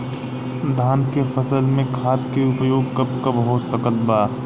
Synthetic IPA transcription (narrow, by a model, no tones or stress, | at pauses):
d̪ʱaːnkefəsəlmẽkʰaːt̪keʊpəjoːɡkɐp̚kabəɦʊt̪səkət̪baː